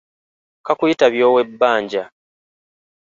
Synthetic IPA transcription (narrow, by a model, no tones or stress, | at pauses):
kakujitaβjo̞ːwe̞bːaːɲɟa